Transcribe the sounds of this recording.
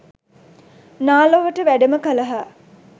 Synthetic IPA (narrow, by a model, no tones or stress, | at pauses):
naːloʋəʈəʋæɖəməkələɦa